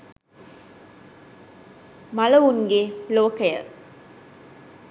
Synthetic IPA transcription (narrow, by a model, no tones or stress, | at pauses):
mɐlɐʋuŋɡeloːkəjə̰